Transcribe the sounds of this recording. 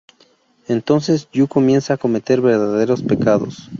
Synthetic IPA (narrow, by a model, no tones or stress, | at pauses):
e̞nt̪o̞nsesʝuko̞mje̞nsaako̞me̞t̪e̞ɾβe̞ɾðaðe̞ɾo̞spe̞kaðo̞̰s